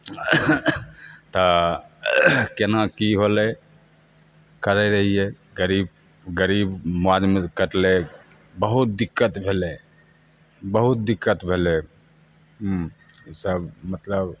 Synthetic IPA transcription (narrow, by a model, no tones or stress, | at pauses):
t̪ə | kenakiɦole | kəɾeɾəɦiɛ | ɡəɾiːb | ɡəɾiːbmad͡ʒmekəʈle | bəɦut̪̚d̪ɪkːət̪bʱele | bəɦut̪̚d̪ɪkːət̪bʱele | ɦ | səbmət̪ləb